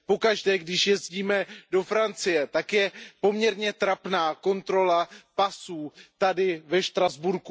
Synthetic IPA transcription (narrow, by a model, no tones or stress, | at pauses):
po̞kaʒdɛːɡdɪʃjɛzɟiːmɛdo̞fɾant͡sɪjɛt̪akjɛpo̞mɲɛɾɲɛt̪ɾapnaːko̞nt̪ɾo̞lapasuːt̪adɪvɛʃt̪ɾazbuɾku